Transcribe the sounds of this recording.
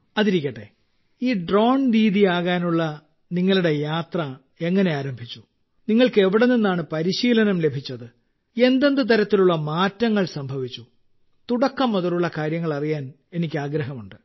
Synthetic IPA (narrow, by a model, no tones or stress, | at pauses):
ɐðiɾikʲːɐʈːe̞̰ | iːɖro̞ːnɾiːðijaːɣaːnuɭːɐ | niŋːɐɭuɽe̞jaːt̪rɐ | e̞ŋːɐne̞aːɾɐmbʱit͡ɕːu | niŋːɐɭkɨe̞ʋiɽeninːaːɳɨpɐɾiɕiːlɐnɐmle̞bʱit͡ɕːɐðɨ | e̞nd̪e̞nd̪ɨt̪ɐɾɐt̪ːiluɭːɐmaːtːɐŋːɐɭsɐmbʱɐʋit͡ɕːu | t̪uɽɐkːɐmːɐðɐluɭːɐkaːɾjɐŋːɐɭɐrijaːn | e̞nikʲːɨaːɡɾɐɦɐmuɳɖɨ